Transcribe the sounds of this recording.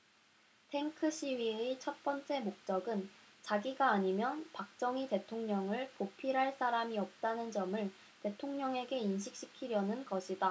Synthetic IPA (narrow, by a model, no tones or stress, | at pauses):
tʰe̞ŋkʰɯɕ͈ʰiɥiet͡ɕʰʌt̚p͈ʌnt͡ɕ͈e̞mok̚t͡ɕ͈ʌɡɯnt͡ɕaɡiɡaːɲimjʌnpak̚t͡ɕ͈ʌŋite̞tʰoŋɲʌŋɯɭkopʰiɾɦaɭs͈aɾamiʌp̚t͈anɯnd͡ʑʌmɯɭ | te̞tʰoŋɲʌŋe̞ɡe̞inɕʰik̚ɕ͈i̥kʰiɾjʌnɯnɡʌɕʰida